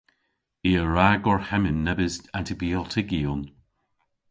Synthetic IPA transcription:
iəɹaɡɔɹhɛmɪnːɛbɪstantʰɪbiɔtʰɪɡiʊn

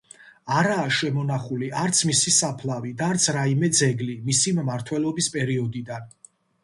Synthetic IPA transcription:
aɾaːʃɛmɔnaχuliaɾt̪sʰmisisapʰlˠavid̪aːɾt̪sʰɾaimɛd̪zɛɡlimisimmaɾt̪ʰwɛlˠɔbispʼɛɾiɔd̪id̪an

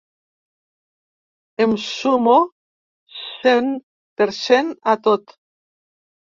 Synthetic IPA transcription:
emsumo | sen | peɾsenat̪ot̪

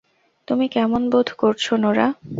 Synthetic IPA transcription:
t̪umikɛmonbod̪ʱkoɾt͡ɕʰonoɾa

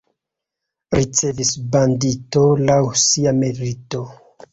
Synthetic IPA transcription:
ɾit͡se̞visbanditolawsiamelito̞

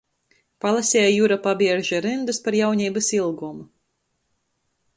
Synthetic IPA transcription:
palˠasʲɛːjjuɾapabiɛɾʒaɾɨnd̪uspaɾjawɲʲiːbɐsilˠɡum

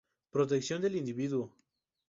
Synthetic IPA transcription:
pɾot̪̬eksjo̞nd̪elind̪iβiðwo

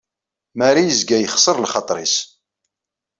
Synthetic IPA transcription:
mæɾijəzɡæjəχsˤəɾˤlχɑt̪ˤɾis

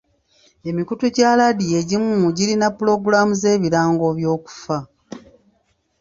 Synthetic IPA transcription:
e̞mikutuɟaladije̞ɟimuuɟiɾinapːuɾo̞ɡuɾamuze̞ːβiɾaːŋɡo̞βjo̞ːku̥fa

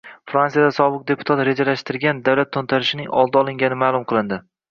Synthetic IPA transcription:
fɾansijad̪asɒbɨq̚d̪e̞pʰʊ̥t̪ʰat̪ɾe̞d͡ʒalaʃt̪ɪɾɡʲand̪awlat̪ʰːont̪ʰaɾɪʃɪnɪŋɒlˠd̪aɒlˠɪŋɡʲanɪmaːlˠʊmqʰɨlˠɪnd̪ɪ

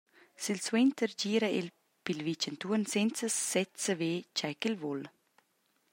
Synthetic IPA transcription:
silswent̪əɾd͡ʑiːɾəil | pilvit͡ʃənt̪uənsɛnt͡səsɛt̪səveːt͡ʃajkilvɔl

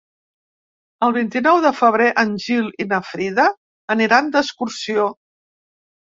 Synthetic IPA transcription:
əlˠβint̪inɔwðəfəβ̞ɾeʔənʲʒilˠinəfɾiðəː | niɾand̪əskuɾsio

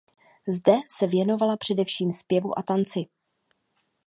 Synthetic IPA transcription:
zdɛsɛvjɛno̞valapr̝̥ɛdɛfʃiːmspjɛvṵʔat̪ant͡sɪ

